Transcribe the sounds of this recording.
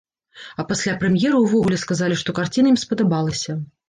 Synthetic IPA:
ɐpasʲlʲapɾɛmʲjɛɾɐwvɔɣulʲɛskazalʲiʂt̪ɔkart͡sʲinɐimspɐd̪abalˠɐsʲɐ

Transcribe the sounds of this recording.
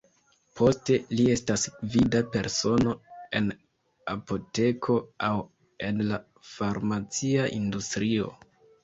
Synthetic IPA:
pʰo̞ste̞lie̞stasvidape̞ɾso̞no̞e̞n | a̰po̞te̞kʰo̞aw | e̞nla | faɾmat͡siaʔindustɾio̞̰

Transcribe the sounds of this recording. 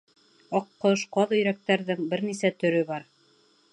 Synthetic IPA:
ɑqːɤʃqɑðɵ̆jɾæk̚t̪æɾðɘŋbɘɾnisæt̪ɵ̆ɾɵβɑɾ

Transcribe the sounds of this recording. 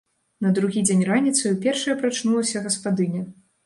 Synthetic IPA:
nɐd̪ɾuɣʲid͡zʲenʲranʲit̪sɨwpʲɛrʂɨjɐpɾat͡ʂnulˠɐsʲɐɣɐspad̪ɨnʲɐ

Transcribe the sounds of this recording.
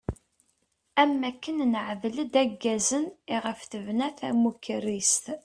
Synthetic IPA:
æmːækːənnəʕvləd̪æɡːæzəniʁəfθəvnæθæmukːrist̪

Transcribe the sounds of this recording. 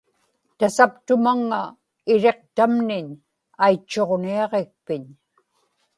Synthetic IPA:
t̪asapt̪ʊmaŋːa | ɪɻe̞q̚t̪amnɪɲ | ajt͡ʃːo̞ʁniɑʁek̚pɪɲ

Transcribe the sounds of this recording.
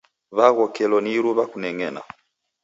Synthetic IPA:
βaɣɔkɛlɔniɾuβakunɛŋɛna̰

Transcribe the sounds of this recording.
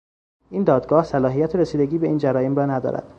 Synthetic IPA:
iːnd̪ɒːd̪ɡɒːhsælɒːɦijæt̪ʰeɾesiːd̪eɟiːbeiːnd͡ʒæɾɒːjemrɒːnæd̪ɒ̰ːɾæ̰d̪̥

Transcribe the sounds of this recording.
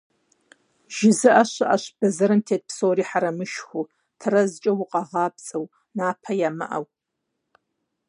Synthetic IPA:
ʒ̥ɪzɨʔɐɕɨʔɐ̰ɕb̥ɐzɐɾɨntʰeːt̚psoːɾiːħaɾɐmɨʃxʷu | tʰɨrɐzt͡ʃʼɐwʊqʼɑʁɑːbt͡sʼɐw | naːpʰɐjaːmɨ̰ʔɐ̰w

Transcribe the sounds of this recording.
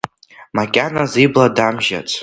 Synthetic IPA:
makʲʼanazibladamʒa̰t͡sʼ

